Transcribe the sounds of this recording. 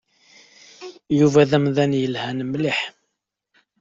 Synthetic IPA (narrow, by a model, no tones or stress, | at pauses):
juvæðæmðænjəlhænəmliħ